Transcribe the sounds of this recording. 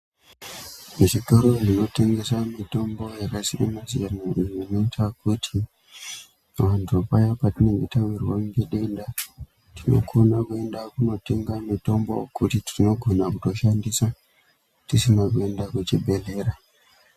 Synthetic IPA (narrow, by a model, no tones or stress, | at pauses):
muʃikaɾo̞nino̞te̞ŋɡe̞samito̞mbo̞jakasiɾemazijanaʔijːno̞itʰakutʰi | ʋantʰupajapatine̞ŋɡetawirwaŋɡeɗe̞nda | tʰino̞̰ko̞nakue̞ndakuno̞te̞ŋɡamito̞mbo̰kutitino̞ɡʱo̞nakuto̞ʃandisa | tisinakue̞ndakut͡ʃibʱe̞le̞ɾa